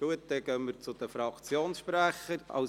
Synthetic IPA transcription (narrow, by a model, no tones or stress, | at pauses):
uət̪ːɛɡ̥œmməɾt͡sʊd̥̪əfɾɑkt͡sjoːnsʃpɾæχəɾɑ̰ʊ